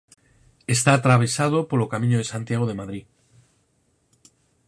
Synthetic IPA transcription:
est̪aːt̪ɾaβ̞e̞sað̞opolokamĩɲoð̞esant̪jaɣ̞oð̞emaðɾi

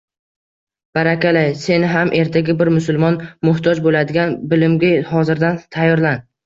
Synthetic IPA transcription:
b̥aɾakʲalajse̞nɪɦamʔe̞ɾt̪ʰaɡʲabɪɾmʊsʊlˠmɒnmʊht̪ʰɒd͡ʒbolad̪ɪɡʲanbɪlɪmɡʲahɒzɪɾd̪ant̪ʰajːɒɾlan

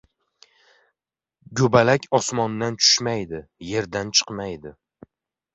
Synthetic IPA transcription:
ɡʲɵbalakʲʰɒsmɒnd̪ant͡ʃʰʊ̥ʃmajd̪ɪje̞ɾd̪ant͡ʃʰɨ̥qmajd̪ɪ

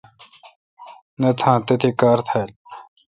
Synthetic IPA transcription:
nɐt̪ʰãːt̪et̪ʰikaːɾt̪ʰal

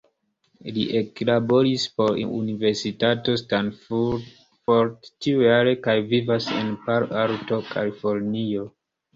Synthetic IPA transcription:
liʔeklabo̞ɾispo̞ɾiʔṵnive̞ɾsitato̞stanfud | foɾdt͡ʃiujaɾe̞kajvivase̞̰npaɾaɾto̞kʰa̰lifo̞ɾnio

